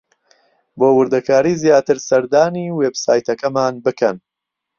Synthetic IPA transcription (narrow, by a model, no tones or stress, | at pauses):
boːwɨɾd̪ɐkʰaːɾiːzjaːt̪ɨɾsɐɾd̪aːniːweːbsaːjt̪ɐkɐmaːnbɨkʰɐn